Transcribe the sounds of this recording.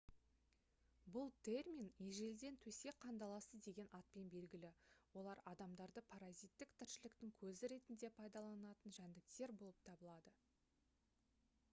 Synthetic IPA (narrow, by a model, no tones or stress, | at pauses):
bʊlˠt̪ʰe̞rmʲineʒe̞ld̪e̞nt̪ʰɵse̞qʰɑnd̪ɑlˠɑsəzd̪e̞ɡʲe̞nʔɑt̪̚pe̞nbe̞lɡʲɪlɪwo̞lˠɑɾɑd̪ɑmd̪ɑɾd̪əpʰaɾazijt̪ːɪkt̪ʰɪɾʃɪlɪkt̪ɪŋkʲʰɵzɪɾe̞t̪ɪnd̪e̞pʰɑjd̪ɑlˠɑnɑt̪ənʒænd̪ɪk̚t̪e̞ɾbo̞lˠəp̚t̪ʰɑbəlˠɑd̪ə